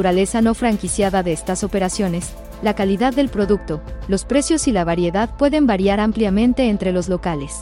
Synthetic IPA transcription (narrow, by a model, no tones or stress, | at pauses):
uɾale̞sano̞fɾaŋkisjaðaðe̞est̪aso̞pe̞ɾasjo̞ne̞s | lakaliðaðːe̞lpɾo̞ðuk̚t̪o̞lo̞spɾe̞sjo̞silaβaɾje̞ðaðpwe̞ðe̞mbaɾjaɾampljamẽ̞nt̪e̞ːnt̪ɾe̞lo̞zlo̞kale̞s